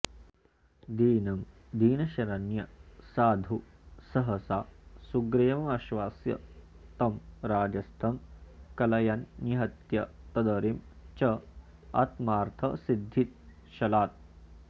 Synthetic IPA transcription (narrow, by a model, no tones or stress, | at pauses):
d̪iːnɐm | d̪iːnɐʃɐɾɐnjɐsaːd̪ʱusɐɦɐsaːsuɡɾejɐmɐmɐʃʋaːsjɐ̰ | t̪ɐmɾaːd͡ʒɐst̪ʰɐmkɐlɐjɐnːiɦɐt̪jɐt̪ɐd̪ɐɾimt͡ʃɐ | ɐ̰t̪maːɾt̪ʰɐsid̪ʱːit̪̚ | ʃɐlaːt̪̚